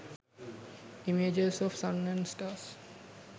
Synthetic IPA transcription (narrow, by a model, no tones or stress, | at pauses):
imed͡ʒesɔʋsʌ̃næ̃nsʈaːs